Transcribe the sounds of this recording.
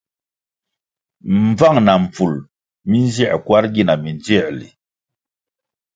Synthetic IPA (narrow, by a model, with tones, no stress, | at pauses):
m˨b͡va˦˨ŋna˨m˨p͡fu˨l | mi˦n˦zi˦˨kwa˦ɾɡi˦na˨mi˨nd͡ʒi˦˨lḭ˨